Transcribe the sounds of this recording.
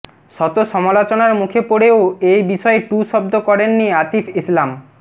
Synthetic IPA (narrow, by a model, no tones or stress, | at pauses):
ʃɔt̪oʃɔmalot͡ɕonaɾmukʰepoɽeoejbiʃɔeʈuʃɔbd̪okɔɾenːiat̪ifislam